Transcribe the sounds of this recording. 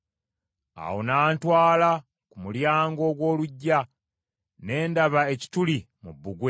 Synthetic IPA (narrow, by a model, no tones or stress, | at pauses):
a̰wonaːntwaːla | kumuljaːŋɡo̞ːɡwo̞ːluɟːa | ne̞ːndaβae̞ci̥tuli | mubːuɡwe